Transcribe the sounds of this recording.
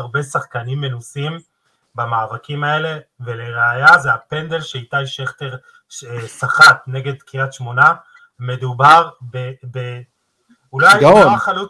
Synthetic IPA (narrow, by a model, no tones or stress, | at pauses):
ʁbe̞saχkanimːe̞nusim | bamaːvakimae̞le̞ve̞leʁeajazeape̞nd̪elʃeitaiʃeχteʁ | ʃesaχat̪ne̞ɡe̞dkiat̪ʃmo̞na | me̞d̪ubaʁbebe | ulajajnoʁaχalu